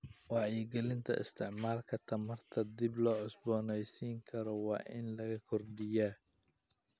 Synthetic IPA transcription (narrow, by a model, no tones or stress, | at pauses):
wɑʕjɪɡɛlɪnt̪ʰɐ̰ʔɪ̰st̪ʰɪʕmaːlkʰɐt̪ʰɐmɐrt̪ʰɐd̪ɪblɔːʕʊsbɔːnɛjsiːŋkʰɐɾɔwɑ̰ːʔɪnlɐɣɐkʰɔrɖɪjaː